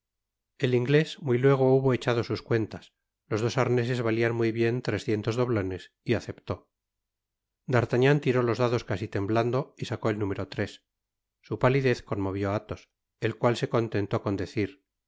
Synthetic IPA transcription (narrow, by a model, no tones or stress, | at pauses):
e̞liŋɡle̞smujlwe̞ɣ̞o̞uβo̞et͡ʃað̞o̞suskwe̞nt̪as | lo̞zðo̞saɾne̞s̬e̞zβalianmujβje̞nt̪ɾe̞sθje̞nt̪o̞zðo̞β̞lo̞ne̞s | iaθe̞pt̪o̞ | d̪aɾt̪aɲãnt̪iɾo̞lo̞zðaðo̞skasit̪e̞mbland̪o̞isako̞elnume̞ɾo̞t̪ɾe̞sː | upaliðe̞θko̞nmo̞β̞jo̞at̪o̞s | e̞lkwalse̞ko̞nt̪e̞nt̪o̞ko̞nd̪e̞θiɾ